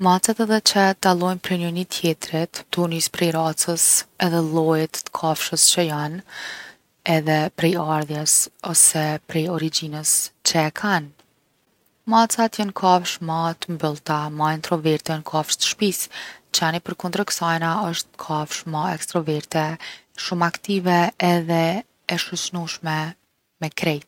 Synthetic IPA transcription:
mat͡sat̪ɛðɛt͡ʃəd̪alˠɔjnpɾɛnjɔnit̪ʰjɛt̪ɾɛt̪t̪ːunispɾɛjɾat͡səsɛðɛlˠɔjɛt̪ːkʰafʃəst͡ʃəjan | ɛðɛpɾɛjaɾðjɛsɔsɛpɾɛjɔɾid͡ʑinəst͡ʃɛkʰan | mat͡sat̪jənkʰafʃmat̪əmbəlˠt̪amaɛnt̪ɾɔvɛɾt̪ɛnkʰafʃt̪ə̥ʃpist͡ʃanipəɾkɔnd̪ɾəksajnaəʃt̪kʰafʃmaɛkst̪ɾɔvɛɾt̪ɛ | ʃumakt̪ivɛːðɛ | ɛʃut͡ʃnuʃmɛ | mɛkɾɛjt̪

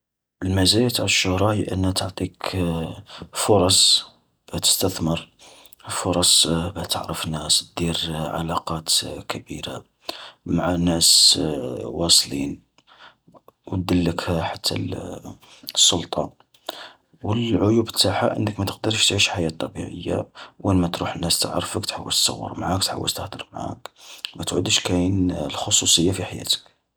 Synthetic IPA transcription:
əlmæzæjæt̪ʕləʃːʊhɾˤɑhiʔə̰nːhæt̪əʕt̪ˤik | fʊɾˤɑsˤ | b̥æt̪ə̥st̪æθməɾ | fʊɾˤɑsˤbæht̪ə̰ʕɾəfnːæsd̪̥iɾʕa̰lɑqɑt̪kʰæbḭɾa̰ | maʕanæs | wɑsˤlḭn | w̚d̪əlːəkhæħat̪ʰːæ̰ | sˤːʊlt̪ˤɑ | wəlʕʊjubt̪ːaħaʔə̰nːəkmæt̪ə̥q̚d̪əɾˤʃt̪ʕiʃħajæt̪ˤːɑbḭʕə̰jːa̰wʔænmæt̪ɾuħənːæst̪əʕɾfəkt̪ħawːəlt̪sɑ̰wːə̰ɾmaʕakt̪ħa̰wːə̰lt̪əd̪əɾmʕa̰kmæt̪ʕʊd̪əʃkæjənlxosusˤəjːafiħajæ̰t̪ə̥k

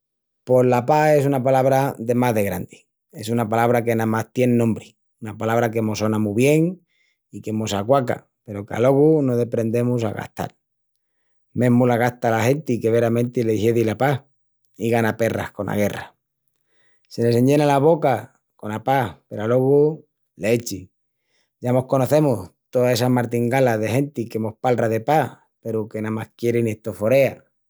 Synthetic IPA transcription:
po̞zlapae̞sunapalaβɾaðe̞maðe̞ɣɾand̪i̥ | e̞sunapalaβɾake̞namaht̪je̞nnõmbɾi | unapalaβ̞ɾake̞mo̞so̞namuβje̞ŋ | ike̞mosakwaka̰ | pe̞ɾo̞ka̰lo̞ɣunoðe̞pɾe̞nd̪e̞mus̬a̰ɣa̰ht̪a̰l | mẽ̞ɦmulaɣaht̪alahe̞nt̪ike̞βe̞ɾamẽnt̪ileheðilapa | iɣanape̞ra̰hko̞na̰ɣ̞e̞ra | se̞ne̞se̞ɲɟe̞nalaβo̞ka | ko̞napahpe̞ɾalo̞ɣu | leet͡ʃi | ʝamo̞hko̞no̞θe̞muht̪oae̞samaɾt̪iŋɡalaðe̞he̞nt̪ikemo̞hpalraðe̞pah | pe̞ɾuke̞namahkje̞ɾenieht̪o̞fo̞ɾe̞a

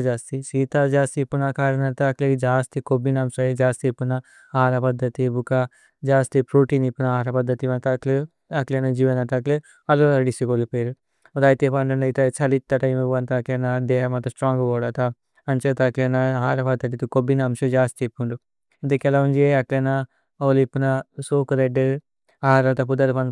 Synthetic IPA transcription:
d͡ʒaːst̪isiːt̪aːd͡ʒaːst̪ipːunɐkaːɾɐnɐt̪ɐkleid͡ʒaːst̪ikobinɐmʃɐd͡ʒaːst̪ipːunɐ | aːɾɐpɐd̪ʱːɐt̪ibuka | d͡ʒaːst̪ipɾuːʈiːnipːunɐaːɾɐpɐd̪ːɐt̪iʋɐnt̪ɐkle | ɐklenɐd͡ʒiːʋɐnɐt̪ɐkle | ɐloɐɾɐɖisikolipeɾu | d̪aːjt̪epɐɳɖɐɳɐit̪ɐt͡ʃɐlit̪ːɐʈɐjmuʋɐnt̪ɐːklenɐd̪eːɦɐmɐt̪ɐsʈɾaːŋɡɐʋoːɽɐt̪ɐ | ɐnt͡ʃɐt̪ɐklenɐaːɾɐpɐd̪ʱːɐt̪̬it̪ukobinɐɐmʃɐd͡ʒaːst̪ipːuɳɖu | int̪ɐkɛlɐund͡ʒeɐklenɐ | olipːunɐsoːkɐɾeɖːɨ | aːɾɐt̪ɐp̬ud̪ɐɾpɐn

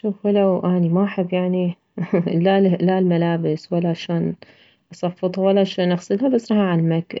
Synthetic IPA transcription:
ʃuːfwalawʔanimaʔaħɪbːjaʕni | lalalmalaːbɪswalːaʕaʃaːn | ʔɑsˤɑfːɨt̪ˤhawalːaʕaʃaːnʔɑɣsˤɨlhabasːɾˤɑːhaʕalmak

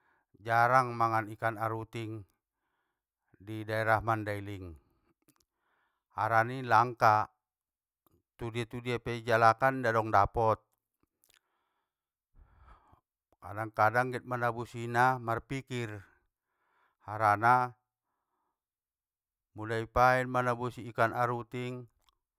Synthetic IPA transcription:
d͡ʒaɾaŋmaŋanikanaɾut̪iŋ | didaɛɾahmandailiŋ | haɾanilaŋka | t̪udiat̪udiapɛd͡ʒalakandadɔŋdapɔt̪̚ | ka̰daŋkadaŋɡɛt̪̚manabusinamarpikir | haɾana | mulaipaɛnmanabusiːkanaɾut̪iŋ

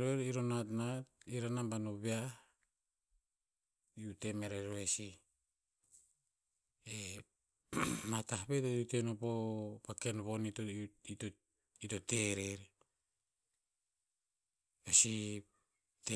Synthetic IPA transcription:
ɾoeɾiɾonatnat̚iɾanambanoβea | iutemeɾeɾoesi | e | matahβetoutenopopakenβonitoito | itoteɾeɾ | βesi | te

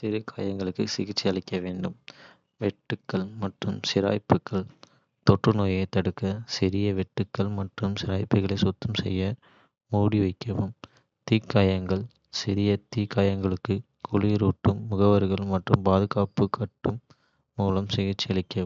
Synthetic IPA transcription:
sɪɾɯkʰa̰ːjɐŋɡɐɭɯkːɯsɪɣɪt͡ʃːɪɐɭɪkːɐʋeːɳɖɯm | ʋɛʈːɯkːɐɭmɐʈrɯmsɪɾa̰ːjpːɯkːɐɭ | t̪ɔʈrɯnoːjɐɪt̪ːɐɽɯkːɐsɪɾɪjɐʋɛʈːɯkːɐɭmɐʈrɯmsɪɾaːjpːɯɣɐɭɐɪsɔt̪ːɐmsɛ̰jːɐ | muːɽiʋɐɪkːɐʋɯm | t̪iːkːaːjɐŋɡɐɭ | sɪɾɪjɐt̪iːkːaːjɐŋɡɐɭɯkːɯ | kʰʊɭiɾuːʈːɯmːʊɣɐʋɐɾɯɣɐɭmɐʈrɯmpaːðɯɣaːpɯkːɐʈːɯmː | uːlɐmsɪɣɪt͡ʃːɪɐɭɐɪkːɐʋ

